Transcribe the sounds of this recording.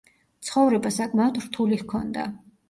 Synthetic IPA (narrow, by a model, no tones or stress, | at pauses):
t̪sʰχɔvɾɛbasakʼmaɔd̪ɾt̪ʰulihkʰɔnd̪a̰